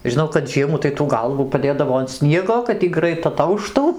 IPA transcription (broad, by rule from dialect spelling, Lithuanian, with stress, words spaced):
ʒʲɪˈnɐʊ kɐt ˈʒʲiɛmuː tɐɪ tuː ˈɡɐlˠʋuː pɐˈdʲeːdɐʋoː ɐn ˈsʲnʲiɛɡoː kɐt ˈiː ˈɡrɐɪt ɐˈtɐʊʃtuː